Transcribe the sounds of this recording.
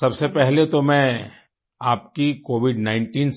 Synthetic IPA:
sɐbsepɛɦlet̪omɛ̃ | aːp̚kikoːʋɪɖnãːɪ̃ɳʈiːns

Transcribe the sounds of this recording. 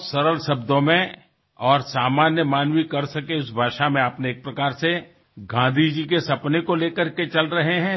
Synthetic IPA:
sɐɾəlsɐb̚d̪õmẽ | ɔːɾsaːmaːnjəmaːnwikɐɾsɐkeʊsbʱaːʃamẽɐpneːk̚pɾɐkaːɾse | ɡãːnd̪ʱid͡ʒikesɐpnekoleːkəɾket͡ʃɐlɾɐɦeɦɛ̃ː

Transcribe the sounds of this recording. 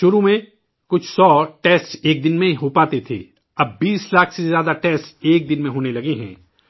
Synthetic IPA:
ʃʊɾumẽ | kʊt͡ʃʰsɔːʈɛːsʈseːk̚d̪ɪnmẽɦopaːt̪et̪ʰḛː | ɐbːiːslaːkʰsezjaːd̪aʈɛːsʈseːk̚d̪ɪnmẽɦoːnelɐɡeɦɛ̰̃ː

